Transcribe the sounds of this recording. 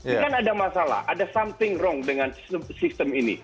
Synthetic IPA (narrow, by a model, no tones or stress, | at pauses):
kanadamasala̰hʔadasamt̪ɪŋrɔŋdəŋanssɪst̪əminḭ